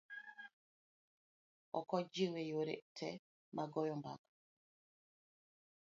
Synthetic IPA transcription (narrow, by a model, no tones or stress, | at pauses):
ɔ̰kɔd͡ʒiwejoɾḛʔtʰɛ̰ | maɡɔjɔmba̰k